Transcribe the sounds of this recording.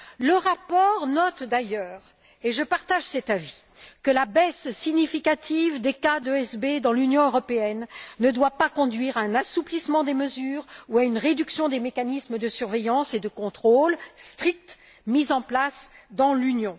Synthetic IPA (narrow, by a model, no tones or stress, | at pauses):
ləʁapɔʁnɔt̪d̪ajœːʁ | eʒəpaʁt̪aʒsɛt̪avi̥ | kəlabɛssiɲifikat̪ʰivd̪ekad̪øɛsbed̪ɑ̃lynjɔ̃øʁɔpeɛnːəd̪wapakɔ̃d̪ɥiʁaɛ̃nasuplismɑ̃d̪eməzyːʁuaynʁed̪yksjɔ̃d̪emekanisməd̪əsyʁvejɑ̃sed̪əkɔ̃t̪χolst̪χik̚t̪ | mizɑ̃plasd̪ɑ̃lynjɔ̃